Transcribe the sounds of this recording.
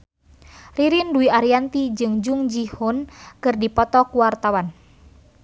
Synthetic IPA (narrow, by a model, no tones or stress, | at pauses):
riɾinduiʔaɾiant̪id͡ʒɨŋd͡ʒuŋd͡ʒihʊnkɨrdipɔt̪ɔkuwart̪awan